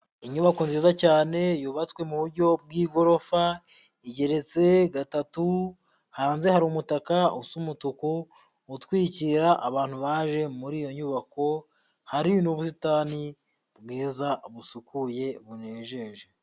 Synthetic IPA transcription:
iɲuβako̞nziːzacaːne̞juβat͡swe̞muβuɾɟo̞b̚ɡiːɡo̞ɾo̞fa | iɟe̞ɾe̞t͡se̞ɡatatu | haːnze̞haɾumutakausumutukuː | twiːciɾaʔːβaːnhuβaːʒe̞muɾiːjo̞ɲuβako̞ | haɾinuβus̬itani | bɡiːzaβusukuje̞βuneːʒeːʒe

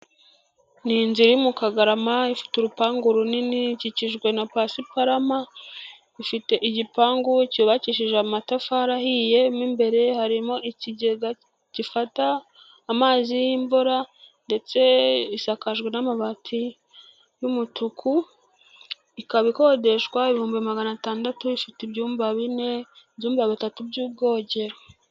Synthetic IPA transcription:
ninziɾimukaɡaɾamaifi̥tuɾupaːŋɡuɾuniniciciʒɡwe̞napaːsipaɾama | ifite̞ʔiɟipaːŋɡucuβaciʃiʒeamatafaɾahije̞mimbe̞ɾe̞haɾimo̞iciɟe̞ɡa | cifataː | maːzijimbuɾande̞t͡se̞isakaʒɡwenamaβatʰi | jumutukʰu | ikaβiko̞de̞ʃwaiβihuːmbimaɡanataːndatuifitibɟuːmbaβine̞bɟuːmbaβitatubɟuːb̚ɡo̞ːɟe̞ɾo

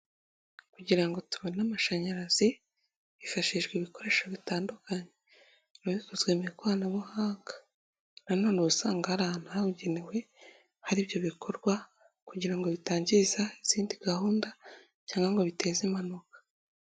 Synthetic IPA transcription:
kuɟiɾaŋɡo̞tuβonamaʃaɲaɾazi | βifaʃiʒɡweβiko̞ɾe̞ːʃaβitaːndukaɲe | ɾuβkuzweːmeɾekuβaːnaβuhaːŋɡḁ | nanonusaːŋɡaaɾanaauɟenewe̞ | haɾibjo̞βikʰo̞ɾɡwa | kuɟiɾaŋɡo̞βitaːɲɟizaiz̥iːndiɡahuːnda | caːŋɡaŋɡo̞βite̞ːzemanokḁ

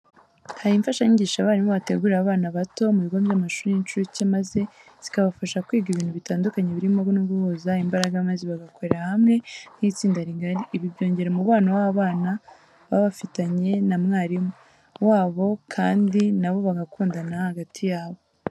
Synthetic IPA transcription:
hajiːɱfaʃaɲiɟiːʃaβaːɾimoβate̞ɡuːɾɾaβaːnaβato̞muβiɡombjamaʃuːɾinint͡ʃuɾucemaze̞ | z̥i̥kaβafaʃakwiːɡiβiːn̥huβitaːndukaɲeβiɾimmoɡonuɡuhozaimbaɾaɡamaziβaɡako̞ɾeɾahamŋe̞n̥hiːt͡siːndaɾiɡaɾiʔːβiβɟo̞ːɲɟe̞ɾe̞muβaːnawaβaːna | βaβafitaɲe̞namŋaːɾimo | waːβo̞kʰaːndinaβo̞βaɡakuːndanahaɡatʰijaːβo̞

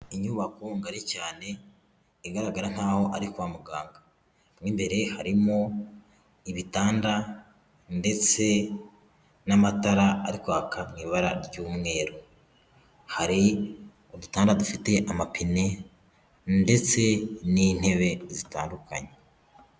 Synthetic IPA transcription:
iɲuβakoŋɡaɾicaːne̞ | iɡaɾaɡaɾan̥haːho̞ʔaɾikwamuɡaːŋɡa | mŋiːmbe̞ɾe̞haɾimo̞ | iβitaːnda | nde̞t͡se̞ | namataɾaaɾikwakʰamŋiːβaɾaɾɟuːmŋe̞ːɾo | haɾi | odutaːndadufite̞ʔamapine̞ | nde̞t͡se̞nin̥he̞βe̞zita̰ːnduka̰ɲe

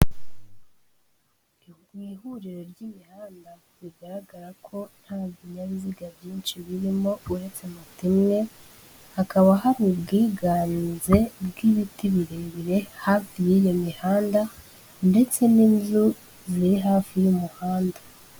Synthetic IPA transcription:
ɡwiːhuɾiɾo̞ɾɟimihaːnda | βiɡaɾaɡaɾakʰo̞n̥haːbiɲaβiziɡavjiːnt͡ʃiβiɾimo̞uɾe̞t͡semutimŋe̞ | hakaβaɦaɾibɡiːɡaːnze̞bɡiβitiβiɾeβiɾe̞hafijijimihaːnda | nde̞t͡se̞ninzu | ziɾiɦaːfijumuhaːndḁ

